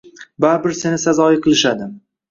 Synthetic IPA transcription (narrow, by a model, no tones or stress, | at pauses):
baɾbɪɾse̞nɪsazɒjiqʰɨlˠɪʃad̪ɪ